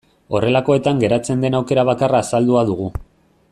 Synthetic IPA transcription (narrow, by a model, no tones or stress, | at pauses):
o̞re̞lako̞e̞t̪aŋɡe̞ɾat͡se̞nd̪e̞nawke̞ɾaβ̞akaraːsald̪uaðuɣ̞u